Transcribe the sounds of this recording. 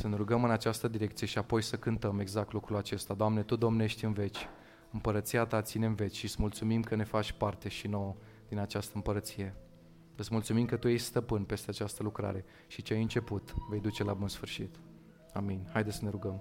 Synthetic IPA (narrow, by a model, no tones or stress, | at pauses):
səne̞ɾuɡəmɨnat͡ʃast̪əd̪iɾe̞kt̪sije̞ʃiapo̞jsəkɨnt̪əme̞ɡzak̚t̪lukɾulat͡ʃe̞st̪ad̪oamne̞t̪ud̪o̞mne̞ʃt̪ʲɨnve̞t͡ʃʲ | ɨmpəɾət̪siat̪at̪sineɱve̞t͡ʃʲʃiɨt̪smult̪sumimkəne̞fat͡ʃʲpart̪e̞ʃino̞wə | d̪̥inat͡ʃast̪əɨmpəɾət̪sije̞ | ɨt̪smult̪sumimkət̪ujejst̪əpɨnpe̞st̪eat͡ʃast̪əlukɾa̰ɾe̞ | ʃit͡ʃeajɨnt͡ʃe̞put̪ve̞jd̪ut͡ʃe̞labunsfɨrʃit̪ | aminʲhajd̪esəne̞ɾuɡəm